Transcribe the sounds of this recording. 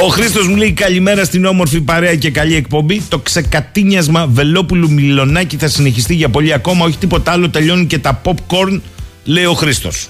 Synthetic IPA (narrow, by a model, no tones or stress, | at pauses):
o̞xɾist̪o̞zmuleikɐʎime̞ɾɐst̪ino̞mo̞ɾfipɐɾe̞ɐce̞kɐʎie̞k̚po̞mbit̪o̞kse̞kɐt̪iɲɐzmɐve̞lo̞pulumilo̞nɐciθɐsine̞çist̪iʝɐpo̞ʎiɐko̞mɐo̞çi̥t̪ipo̞t̪ɐlo̞t̪e̞ʎo̞nice̞t̪ɐpo̞pko̞ɾn | le̞io̞xɾist̪o̞s